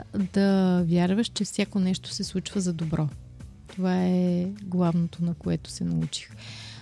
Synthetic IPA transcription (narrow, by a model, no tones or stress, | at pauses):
d̪ɐvʲjaɾvəʃt͡ʃɛfsʲjakonɛʃt̪o̥sɛslˠut͡ʃvəzɐd̪obɾʔɔ | t̪ovaɛɡlˠavnot̪onɐkoɛt̪o̥sɛnɐut͡ʃi̥x